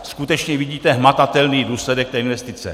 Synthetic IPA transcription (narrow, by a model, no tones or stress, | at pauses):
skut̪ɛt͡ʃɲɛviɟiːt̪ɛɦmat̪at̪ɛlniːduːslɛdɛk̚t̪ɛːinvɛst̪ɪt͡sɛ̰